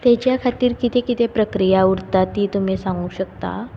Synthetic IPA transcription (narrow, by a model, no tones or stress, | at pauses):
t̪ɛt͡ɕjakʰat̪iːɾkit̪ʰekit̪ʰepɾəkɾijauɾt̪at̪ːiːt̪um̤isãŋɡũɕək̚t̪a̰